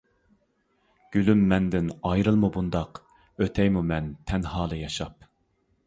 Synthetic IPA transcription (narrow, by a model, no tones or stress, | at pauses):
ɡ̥ʲylymːɛnd̪ɪnɑjɾɨlˠmubund̪ɑq | øt̪ʰɛjmumɛnt̪ʰɛnhɑːlˠɨjɑʃɑp̚